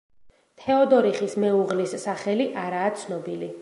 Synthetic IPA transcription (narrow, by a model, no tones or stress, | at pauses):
t̪ʰɛɔd̪ɔɾiχismɛuʁlisːaχɛliʔaɾaːt̪sʰnɔbili